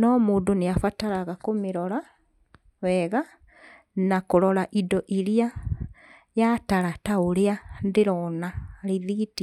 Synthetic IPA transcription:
nɔmoːdoneafataɾaɣakomeɾɔɾa | wɛɣa | nakoɾɔɾaʔidɔʔiɾia | jataɾataoɾeandeɾɔnaɾiðiti

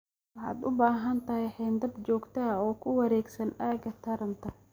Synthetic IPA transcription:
wɑħɑ̰ːd̪ʊbaːɦɐnt̪ʰɐɦɛjħɛːnd̪ɐd̪t͡ʃɔːɡt̪ʰɐɔːkʰʊwɐɾɛːɡsɐnʔaːɡɐt̪ʰɐɾɐnt̪ʰɐ

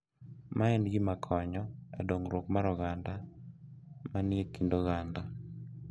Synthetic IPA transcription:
maɛnɡɪmakʰɔɲɔɛ̰doŋɾwokmaɾɔɣanda | manɪekindoɣanda

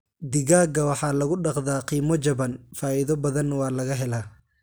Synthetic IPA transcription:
d̪ɪɣaːɡɐwɑħɑːlɐɣʊɖɑqðaːqiːmɔt͡ʃɐβɐnfaːiðɔbɐðɐnwɑːlɐɣɐɦɛlaː

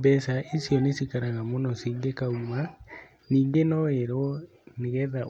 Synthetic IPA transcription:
bɛsaʔesjɔnesikaɾaɣamonɔsiŋɡekauma | niːŋɡenɔeɾɔ | neɣɛða

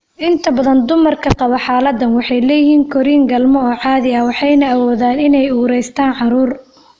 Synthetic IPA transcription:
ʔɪnt̪ʰɐbɐðɐnd̪ʊmɐrkʰɐqɑβɐħɑːlɐd̪ːɐnwɑħɑjlɛːjɪɦiːŋkʰɔɾiːŋɡɐlmɔɔːʕɑːðɪɐwɑħɑjnɐɐwɔːðaːnɪnɛjuːɾɛjst̪ʰaːnʕɑɾuːr

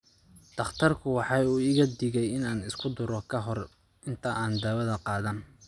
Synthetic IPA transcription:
d̪̥ɐχt̪ʰɐrkʰʊwɑħɑːuːɪɣɐd̪ɪɣɛjɪnaːnɪskʰʊd̪ʊɾɔkʰɐɦɔr | ɪnt̪ʰɐʔaːnd̪aːwɐðɐqɑːðaːn

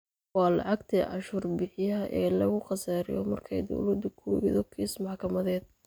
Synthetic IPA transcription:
wɑːlɑ̰ʕɑɡt̪ʰiʕɑ̰ʃʊrbɪħɪjɐʔɛːlɐɣʊχɑsaːɾɪ̰jɔ̰mɐrkʰɛjd̪ɔ̰wlɐd̪ʊkʰuɣɪ̰ðɔkʰiːsmɑħkʰɐmɐðɛːd̪̚

